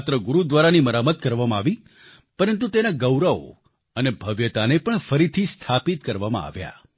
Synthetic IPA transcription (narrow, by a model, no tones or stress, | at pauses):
t̪ɾəɡuɾud̪ʋaɾaniməɾamət̪kəɾʋamãaʋi | pəɾənt̪̬ut̪enaɡəwɾao̰ | ənebʱəʋjət̪anepəɳfəɾit̪ʰist̪ʰapit̪kəɾʋamã̰a̰ʋja̰